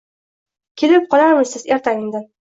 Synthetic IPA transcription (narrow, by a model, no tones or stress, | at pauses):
kʲʰelɪp̚qʰɒlaɾmɪzsɪzeɾt̪ʰaɪŋd̪ɪn